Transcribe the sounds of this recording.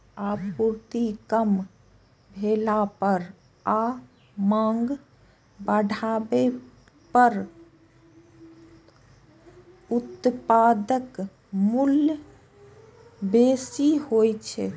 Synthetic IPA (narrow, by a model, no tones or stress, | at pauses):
apuɾt̪ikəm | bʱelapəɾ | a | mãŋɡ | bəɖʱabe | pəɾ | ut̪pad̪ək | mulj | besihojt͡ʃʰɛ